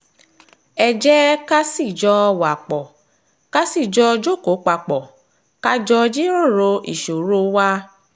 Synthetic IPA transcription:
ɛ˧d͡ʒɛ˦ka˦si˦˨d͡ʒɔ˧wa˨k͡pɔ˨ | ka˦si˦˨d͡ʒɔ˧d͡ʒo˦˨ko˨˦k͡pa˧k͡pɔ˨ | ka˦d͡ʒɔ˧d͡ʒi˦ɾo˦˨ɾo˧ʔḭ˨ʃo˨ɾo˧˦wa˦

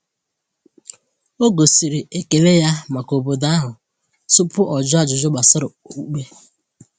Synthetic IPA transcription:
o˦ɡo˨si˨ɾi˨ʔe˨ke˨le˦ja˦ma˨ko˨bo˨da˦ɦʊ˨ | sʊ˦pʊ˦ʔɔ˨d͡ʒa˦d͡ʒʊ˨d͡ʒʊ˦ɡ͡ba˨sʊ˦ɾʊ˨˦u˦k͡pe˦

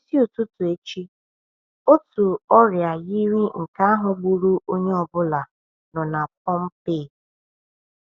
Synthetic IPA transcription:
si˦o˨tʊ˦tʊ˨e˦t͡ʃi˦ | o˦tu˨ɔ˦ɾja˨ɣi˦ɾi˦ŋ̩˨ka˦a˦ɦʊ˨ɡ͡bu˨ɾu˦ʔo˦ɲe˦ɔ˨bʊ˦la˨ | nɔ˨na˨k̚ʰɔ˦m̩˦pɪ˦˨

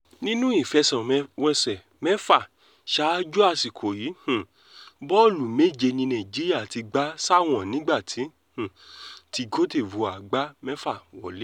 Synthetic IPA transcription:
nĩ˦nũ˦i˦˨fɛ˧sɛ̃˨˧wɛ˧sɛ˨ | mɛ˦fa˦˨ | ʃa˦d͡ʒu˦a˧˨si˨kʰo˨ji˨˦hũ˨ | bɔ˦˨lu˨me˦˨d͡ʒe˧nĩ˧nã˨d͡ʒi˨˦ɾi˦a˦˨ti˧ɡ͡ba˨˦sa˦˨w̃ɔ̃˨nĩ˨˦ɡ͡ba˦˨tʰi˨˦ | hũ˨ti˧ɡo˦te˦˨wo˧a˨ɡ͡ba˦mɛ˦fa˦˨wɔ̰˨le˦

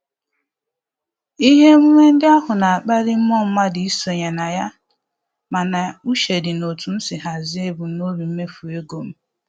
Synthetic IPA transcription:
i˦ɦe˦m̩˦ŋʷe˦n̩˦dɪ˦a˦ɦʊ˨na˨a˨k͡pa˦ɾɪ˦m̩˦mɔ˦m̩˦ma˦dɪ˨i˦so˨ɲa˨na˨ja˦ | ma˨na˨u˦ʃe˨dɪ˨no˨tu˨n̩˦sɪ˨ɦa˨zɪ˦e˦bu˨no˦ɾi˨˦me˦fu˨e˦ɡo˨m̩˦

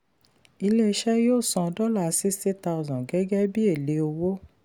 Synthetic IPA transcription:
i˧le˦i˧ʃɛ˦joː˦˨sɔ̃˧dɔ˦la˦˨˦si˦sti˦ta˧u˦zɔ̃˨ɡɛ˦ɡɛ˦bi˦e˦˨le˨˦o˧wo˦

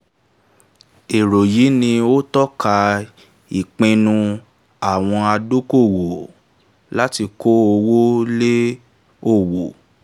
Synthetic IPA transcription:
e˨ɾo˨ji˨˦nĩ˧o˦tɔ˦ka˧ | i˨k͡pẽ˧nũ˧ | a˨w̃ɔ̃˧a˧do˦ko˦˨wo˨ | la˦ti˧ko˦o˧wo˦le˦ | o˦˨wo˨

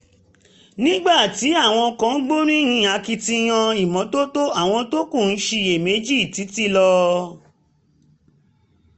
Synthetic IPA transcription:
nĩ˦ɡ͡ba˦˨ti˨˦a˦˨w̃ɔ̃˧kã˧˦ɡ͡bo˦ɾũ˦j̃ĩ˧˦˨a˧ki˧ti˧j̃ã˧i˨mɔ̃˨˦to˦to˦a˦˨w̃ɔ̃˧to˦ku˦˨n̩˦ʃe˧je˨me˨˦d͡ʒi˦˨ti˨˦ti˦lɔ˧

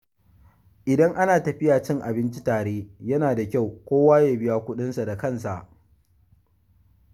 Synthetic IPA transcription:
ʔɪ˨dɐ˦ŋʔa˦naː˨tɐ˨ɸɪ˦jaː˨t͡ʃɪ˦ŋʔa˨bɪ˦nt͡ʃi˦taː˨ɽeː˦jɐ˦naː˨da˨kʲa˦˨wkʷoː˦waː˦jaː˨bɪ˦jaː˨kʷʊ˦ɗɪ˦nsa˨da˨kɐ˦nsa˨ʔ

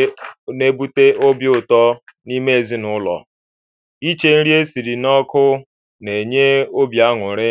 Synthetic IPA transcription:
ne˦bu˦te˦ʔo˦bjʊ˨tɔ˦ni˦me˦e˨zi˦nʊ˦lɔ̰˨ | i˦t͡ʃe˨n̩˦ɾi˦e˦si˨ɾi˨nɔ˦kʊ˦ | ne˨ɲe˦o˦bja˦ŋʷʊ˨ɾɪ˦

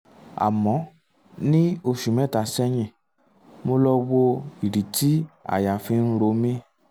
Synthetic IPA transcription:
a̰˨mɔ̃˨˦ | nĩ˦o˧ʃu˨mɛ̃˨˦˨ta˨sɛ˦ɲĩ˧˨ | mo˧lɔ˧wo˧i˨ɾi˨ti˦a̰˨ja˨fi˧n̩˦ɾo˨˦mĩ˦

